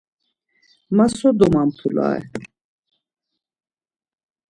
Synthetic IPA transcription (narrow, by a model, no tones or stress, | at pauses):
masɔd̪ɔmampʰulɑ̰ɛ̰